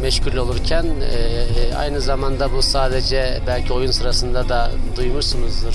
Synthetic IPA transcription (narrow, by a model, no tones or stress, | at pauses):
mɛʃcʰuɾlʲo̞lˠuɾcʰænɛa̰jnɯzamand̪abusaːd̪ed͡ʒɛ | bælʲcʰio̞junsɯɾasɯnd̪ad̪ad̪ujmuɾsunuzɾ